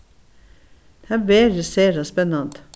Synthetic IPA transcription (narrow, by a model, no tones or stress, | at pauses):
hæbeːɾjəseːɾɑspɛnɑnt̪